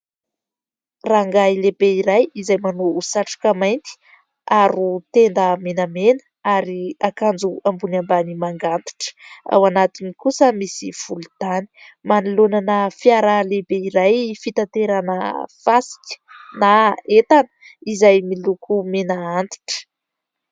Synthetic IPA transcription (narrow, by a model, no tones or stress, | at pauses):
raŋɡailebeiɾajizajmanousaʈ͡ʂḁkamajnt̪i̥ | aɾut̪end̪əmenəmenə̥ | aɾiakand͡zuambunambanimaŋɡant̪i̥ʈ͡ʂə̥a̰wanat̪inikusəmisiv̥ulud̪̥ani̥manilonanəfjaɾalebeiɾajfit̪ant̪eɾanə̰fasi̥kʲə̥naet̪anə̥ | izajmilukumenaant̪i̥ʈ͡ʂə̥